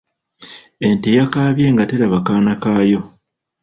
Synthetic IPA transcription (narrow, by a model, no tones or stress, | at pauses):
e̞ntejakaːβje̞ːŋɡateɾaβakaːnakaːjo̞